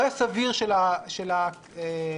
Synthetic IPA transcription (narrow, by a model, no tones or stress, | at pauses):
jasaviʁʃelaʃela | e